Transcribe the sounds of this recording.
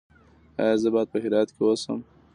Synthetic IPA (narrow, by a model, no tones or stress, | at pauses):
a̰jzəbɑjd̪̚pəhɪd̪ɑjat̪kewosə̰m